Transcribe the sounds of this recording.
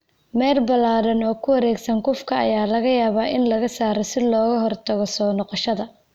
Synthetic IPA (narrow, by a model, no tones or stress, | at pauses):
mɛːrbɐlaːɾɐnɔːkʰʊwɐɾɛːɡsɐŋkʊfkʰɐɐ̰jaːlɐɣɐjaːβaːʔɪnlɐɣɐsaːɾɔsɪlɔːɣɐɦɔrt̪ʰɐɣɔsɔːnɔqɔʃɐðɐ